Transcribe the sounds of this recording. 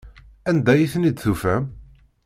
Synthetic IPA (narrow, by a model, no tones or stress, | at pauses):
ænd̪æjiθnid̪θufæm